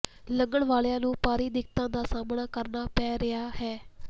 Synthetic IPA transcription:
ləŋɡəɳʋaːljãːnũːpaːɾiːd̪ɪkt̪ãːd̪aːsaːmnaːkəɾnaːpɛːɾɪaːhɛː

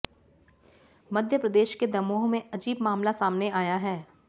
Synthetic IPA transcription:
mɐd̪ʱjəpɾɐd̪eːʃked̪ɐmoːɦmẽɐd͡ʒiːbmaːmlasaːmneaːjaɦɛː

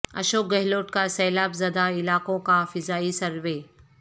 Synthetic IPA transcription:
ɐ̰ʃoːk̚ɡɐɦɪloːʈkasɛːlaːbzɐd̪aɪlaːkõkafɪzaːisɐɾʋeː

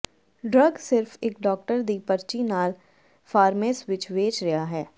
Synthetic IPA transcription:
ɖɾəɡsɪɾfeːkɖɔːk̚ʈəɾd̪ipɐɾt͡ʃinaːl | faːɾmeːsʋɪt͡ʃʋeːt͡ʃɾɐjaɦɛː

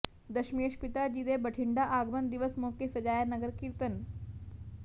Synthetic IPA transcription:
d̪əɕmijəɕpit̪ad͡ʑid̪ebəʈʰiɳɖaʔaɡmənd̪iʋəsmokesəd͡ʑajanəɡəɾkiɾt̪ən

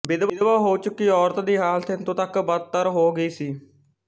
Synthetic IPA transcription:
bɪd̪ʋd̪ʋaːɦoːt͡ʃʊkːiːɔːɾt̪d̪iːɦaːlt̪ʰɪnt̪õːt̪əkbəd̪̚t̪əɾɦoːɡəiːsiː

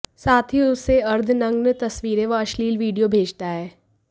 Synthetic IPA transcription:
saːt̪ʰɦiʊsːeɐɾd̪ʱnɐ̃ŋɡnt̪ɐsʋiːɾẽʋaɐʃliːlʋiːɖijobʱeːd͡ʒt̪aɦɛː

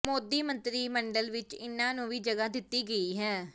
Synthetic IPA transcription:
moːd̪iːmənt̪ɾiːməɳɖəlʋɪt͡ʃɪ̰nːãːnũːʋiːd͡ʒəɡaːd̪ɪt̪ːiːɡəiːɦɛː

